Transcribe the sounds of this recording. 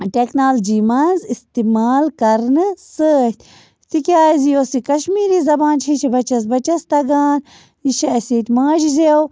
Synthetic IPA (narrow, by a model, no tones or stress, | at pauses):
ʈeknaːld͡ʒiːmɐnzist̪imaːlkɐɾnɨsət̪ʲ | t̪ikʲaːzijoːsikɐʃmiːɾiːzɐbaːnt͡ʃʰiʃʰibɐt͡ʃɐs̬bɐt͡ʃɐst̪ɐɡaːn | iʃɐɐsiːt̪ʲmãːd͡ʒizew